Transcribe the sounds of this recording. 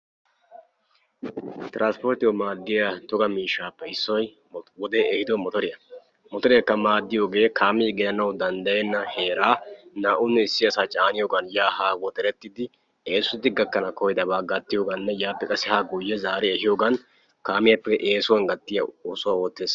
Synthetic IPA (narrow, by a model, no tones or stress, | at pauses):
t̪ɪɾʔanspoːɾt̪ɪwɔmaːd̪ːɪjɐt̪ɔɡɐmiːʃːaːpːɛɪsːɔj | wɔd̪e̞ːɛhɪd̪ɔmɔt̪ɔɾɪjɐ | mɔt̪ɔɾɪjɐkːɐmaːd̪ːɪjoːɡe̞ːkʰaːmiːɡɪjɐnɐwd̪ɐnd̪ɐjɛnːɐhe̞ːɾaːnaːʔʊnːɛɪsːɪɐsaːt͡ʃʼaːnɪjoːɡɐnjaːhaːwɔt̪ɛɾɛt̪ːɪd̪ɪ | e̞ːsʊd̪ɪɡɐkːɐnɐkɔjɪd̪ɐbaːɡɐt̪ːɪjoːɡɐnːɛjaːpːɛkʼɐsɛhaːɡʊjːɛzaːɾɛɛhɪjoːɡɐn | kaːmɪjɐpːɛʔeːsʊwɐnɡɐt̪ːɪjɐɔsʊwawɔːt̪ːeːs